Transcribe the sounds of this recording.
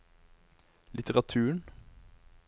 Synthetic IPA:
lʔɪt̪əʁɑt̪ʰʉːəɳ

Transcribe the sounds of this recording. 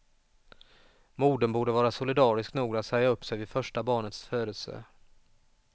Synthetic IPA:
muːɖənbuːɖəvɑːɾasʊlɪd̪ɑːɾɪsknuːɡat̪sɛjaɵpːsɛjvɪfœʂʈabɑːɳət̪sføːɾəlsə̰

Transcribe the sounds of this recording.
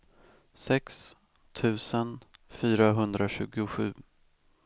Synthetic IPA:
sɛks | t̪ʰʉ̟ːsənfyːɾaɦɵnd̪ɾaɕʉ̟ːɡʊɧʉ̟̰ː

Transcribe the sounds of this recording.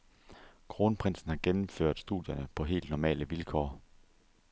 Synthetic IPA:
kʰʁo̝ːnpʰʁen̰sn̩hɑ̈ɡ̥enm̩fø̰ɐ̰d̥sd̥ṵðˠjɐnəpʰɒ̽ɦe̝̰ːld̥nɒmɛ̰ːləʋilkʰɒ̰ː

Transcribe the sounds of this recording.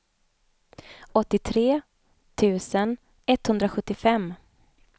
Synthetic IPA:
ɔt̪ːɪt̪ʰɾeː | t̪ʰʉ̟ːsən | ɛt̪ːhɵnd̪ɾaɧɵt̪ːɪfɛmː

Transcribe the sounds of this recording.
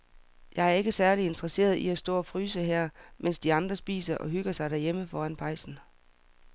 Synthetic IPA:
jʔɑ̈ɪæɐe̝ɡ̥əsæɐlie̝nd̥ʁɐse̝̰ːɐð̞ˠiæsd̥ɔ̰̽ːɒ̽fʁyːsəɦæɐ̰mʔen̰sd̥iɑ̈nd̥ʁɐsb̥ḭːsɐʔɒ̽ɦyɡ̥ɐsɑ̈ɪɾ̥æɐjeməfɒːænpʰɑ̈ɪsn̩

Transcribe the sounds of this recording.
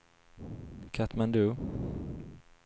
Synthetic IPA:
kʰat̪mand̪ʉː

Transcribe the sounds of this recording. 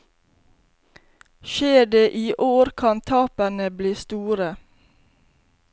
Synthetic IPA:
ʃeːɖeːʔiːʔoːɾkʰɑnt̪ʰɑːpənəbliːst̪uːɾə

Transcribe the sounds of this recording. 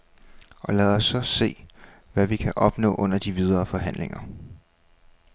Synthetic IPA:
ʔɒ̽lɛð̩ˠɒ̽sːɒ̽se̝̰ː | ʋæʋikʰæʔɒ̽b̥nɔ̰̽ːʔɔ̽n̰ɐd̥iʋið̞ˠɐːfɒ̽ɦæn̰le̝ŋɐ

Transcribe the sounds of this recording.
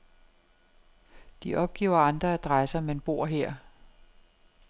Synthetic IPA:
d̥iʔɒ̽b̥̚ɡ̥ḛːʊɐɑ̈nd̥ʁɐæd̥ʁasɐmenb̥o̝ɐ̰ɦeɐ̰

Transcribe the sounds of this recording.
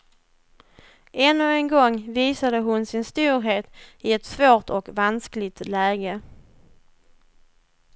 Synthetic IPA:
ʔɛnːɵɛnɡɔŋːviːsad̪əɦʊnsɪnst̪uːɾɦeːt̪ɪɛt̪svoːʈ̪ɔkvansklɪt̪lɛːɡə

